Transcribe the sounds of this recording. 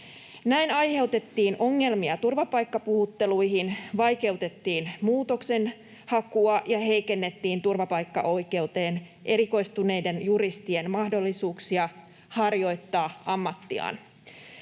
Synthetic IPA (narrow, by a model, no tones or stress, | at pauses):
næinɑjhe̞wt̪e̞t̪ːiːnʔo̞ŋːe̞lmiɑt̪urʋɑpɑjkːɑpuhut̪ːe̞luiɦinʋɑjke̞ut̪e̞t̪ːiːnmuːt̪o̞kse̞n | hɑkuɑjɑɦe̞jke̞nːe̞t̪ːiːnt̪urʋɑpɑjkːɑ̰ʔo̞jke̞ut̪e̞ːnʔe̞ɾiko̞ist̪une̞jde̞njuɾist̪ienmɑhdo̞lːisuːksiɑ | hɑrjo̞jt̪ːɑːɑmːɑt̪ːiɑ̰ːn